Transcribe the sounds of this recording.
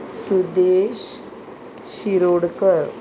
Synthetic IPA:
sud̪eɕ | ɕiɾoɽkəɾ

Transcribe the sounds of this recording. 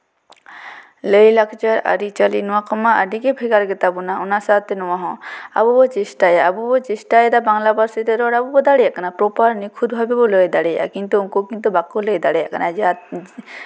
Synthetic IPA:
lejlakʰt͡ʃaɾa̰ɾit͡ʃalinuakɔmaa̰ɖikepʰeɡaɾɡet̪abunaunasat̪enuwaɦɔ̃a̰bubɔt͡ʃesʈajabubɔt͡ʃesʈajed̪abaŋlabaɾsit̪eɾɔɽabubɔd̪aɽeɛkanapɾopaɾnikʰud̪bʱabeboleed̪aɽeja̰kint̪uuŋkokint̪̬ubakːolejd̪aɽeɛkanad͡ʒa

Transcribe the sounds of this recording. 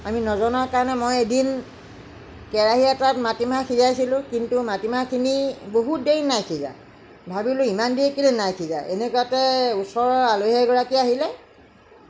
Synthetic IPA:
aminɔzɔnaɹkaɹɔnɛmojedin | kɛɹaɦiɛtatmatimakʰizajsilʊ̃kintumatimakʰiniboɦut̚deɹinajkʰiza̰ | bʱabilʊimandiekilɛnajkʰiza̰ḛnekɔjatɛusɔɹɔɹaloɦɛɡɔɹakiaɦilɛ

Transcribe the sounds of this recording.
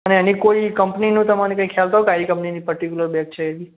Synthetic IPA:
əneənikoikə̃mpninũt̪əmanikãikʰjalt̪aɦokaɾikə̃mpninipəɾʈikjuləɾbɛk̚t͡ʃʰəed̪i

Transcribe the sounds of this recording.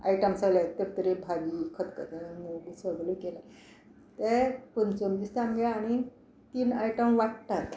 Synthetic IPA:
a̰jʈəmsalat̪əɾt̪əɾebʱaɡiːkʰət̪kət̪emoɡusəɡlukela | t̪epənt͡sonʋist̪amɡɛaːɽ̃i | t̪iːnajʈəmʋaʈt̪at̪

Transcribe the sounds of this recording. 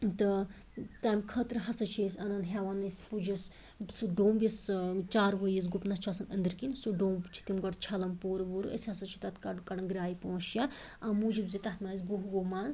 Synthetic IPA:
t̪ɨ | t̪aːmkʰət̪ɾɨɦɐsɐt͡ʃʰeːsʲɐnɐnɦʲaʋanɐspud͡ʒɐs | suɖoːmbʲjɐst͡ʃaːɾʋəjɐs̬ɡupnɐst͡ʃʰɐsɐnɐ̰nd̪ɨɾkinsuɖoːmbt͡ʃʰi̥t̪imɡɐʈt͡ʃʰɐlɐmpoːɾɐʋuɾɨʔə̰sʲɦɐsɐt͡ʃʰi̥t̪ɐt̪ʰkɐɖkɐɽɐnɡɾaːipõːʃjaɐmud͡ʒibzit̪ɐt̪maːz̬ʲɡuɦuɡomaːnz

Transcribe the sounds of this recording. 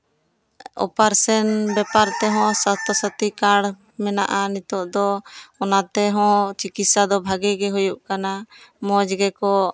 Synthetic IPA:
ɔ̰paɾsɛnbɛpaɾt̪ɛɦɔ̃sat̪ʰɔsət̪ikaɽ | mɛna̰ʔanit̪ɔʔd̪ɔɔnat̪ɛɦɔ̃t͡ʃikit̪sad̪ɔbʱaɡɛɡɛɦujuʔkanamɔd͡ʒɡɛkɔ

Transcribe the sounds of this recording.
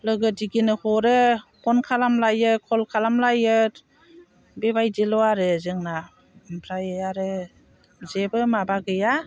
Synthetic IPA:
lɯɡɯdiɡinɯhɔɾɯhʰɔnkʰalamlajɯkʰɔlkʰalamlajɯt | bebajdilɔaɾɯzɯŋna | bʰɾajɯaɾɯ | zebɯmabaɡɯja

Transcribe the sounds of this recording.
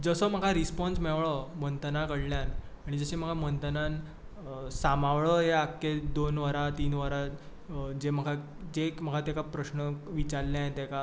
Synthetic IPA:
d͡zəsəm̤əɡʱaɾispɔnsmɛʋɭɔmənt̪ənakəɽljanaɽ̃id͡zəɕem̤əɡamənt̪ənan | samaʋɭəɦeakːed̪onʋəɾat̪iːnʋəɾa | d͡ʑem̤əɡʰʱa | d͡ʑekm̤əɡʰʱat̪akapɾəɕnəʋit͡ɕaɾljãet̪ɛka

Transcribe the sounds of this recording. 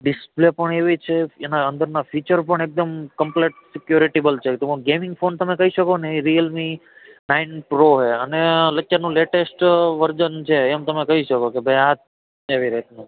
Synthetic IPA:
ɖɪsplepəɳeʋit͡ʃʰeenaənd̪əɾnafit͡ʃəɾpəɳek̚d̪əmkəmpleʈsɪkjuɾiʈebəlt͡ʃʰet̪õɡemɪ̃ŋɡfont̪əmekəɦiʃəkoneiɾijəlmi | nainpɾoɦeəneləkːjanũleʈesʈʋəɾd͡ʒənt͡ʃʰeːmt̪əmekəɦiʃəkokebʱəjat̪ | eʋiɾet̪ni

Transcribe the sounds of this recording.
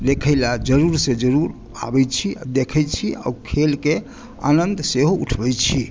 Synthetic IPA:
lekʰəjlad͡ʒəɾuɾsẽd͡ʒəɾuɾ | a̰bɛjt͡ʃʰiad̪ekʰəjt͡ʃʰia̰ukʰelke | a̰nənd̪seɦouʈʰbɛjt͡ʃʰi

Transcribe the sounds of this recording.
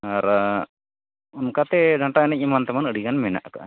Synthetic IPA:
aɾ | ɔnkat̪ɛdʱaɳʈaɛnɛc̚ˀimant̪amanəɽiɡanmɛna̰ʔka̰ʔ

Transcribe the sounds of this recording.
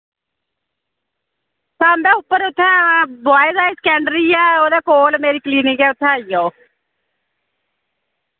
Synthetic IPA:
saːmbɛːʊpːəɾʊt̪ʰːɛ̃ːbaːɪzaːiːsə̥kɛːɳɖɾiːaːoːd̪aːkoːlmeːɾiːkliːnikɛːʊt̪ʰːɛ̃ːiːjaoː

